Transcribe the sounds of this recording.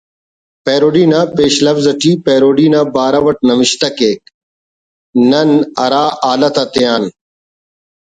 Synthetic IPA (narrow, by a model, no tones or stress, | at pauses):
peːɾoːɖiːnaːpeːɕlɐfzɐʈiːpeːɾoːɖiːnaːbaːɾɐʋɐʈ̚nɐmɪɕt̪ɐkeːk̚ | nɐnɐɾaːʔaːlɐt̪ɐt̪ijaːn